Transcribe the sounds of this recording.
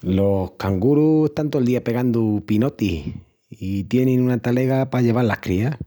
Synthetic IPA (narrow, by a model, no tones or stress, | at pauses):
lo̞hkaŋɡuɾue̞ht̪ant̪old̪iape̞ɣand̪upino̞t̪i | it̪je̞nẽŋunat̪ale̞ɣapaʎe̞β̞alahkɾia